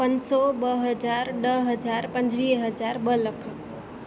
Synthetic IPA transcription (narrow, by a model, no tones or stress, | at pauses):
pənsɔbəɦəd͡ʒaɾɖəɦəd͡ʒaɾpənd͡ʒʋiɦəd͡ʒaɾbələkʰ